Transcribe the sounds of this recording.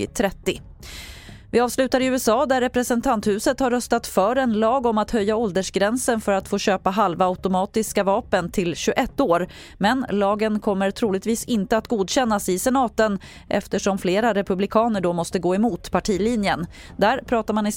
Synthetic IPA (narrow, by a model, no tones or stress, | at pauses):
t̪ʰɾɛt̪ːɪ | vɪɑːvslʉ̟ːt̪aɾɪʉ̟ːɛsɑːd̪æɾːɛpɾɛsɛnt̪ʰant̪hʉ̟ːsət̪haɾːœst̪at̪fœːɾɛnlɑːɡɔmat̪hœjːaɔld̪əʂɡɾɛnsənfœɾat̪foːɕøːpaɦalvaaʊt̪ʊmɑːt̪ɪskavɑːpənt̪ʰɪlɕɵʔɛt̪ːoːɾ | mɛnlɑːɡənkʰɔmːəɾʈ̪ʰɾuːlɪɡ̚t̪viːsɪnt̪əat̪ɡuːd̪ɕɛn̪ːasɪsɛnɑːt̪ən | ʔɛ̰ft̪əʂɔmfleːɾaɾɛpɵblɪkʰɑːnəɖɔmɔst̪əɡoːɛmuːt̪pʰaʈʰiːliːnjən | d̪æːɾpʰɾɑːt̪aɾmanɪ